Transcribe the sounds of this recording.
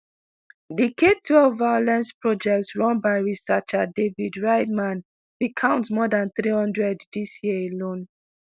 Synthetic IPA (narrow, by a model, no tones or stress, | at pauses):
dikʰetʰwɛlvvajolɛ̃nspɹɔd͡ʒɛk̚tsɹɔ̃nbaɪɹisʌt͡ʃadevidɹaɪdmãn | bikʰãʊ̃ntmɔdãnθɹihɔ̃ndɹɛddisjiəelõn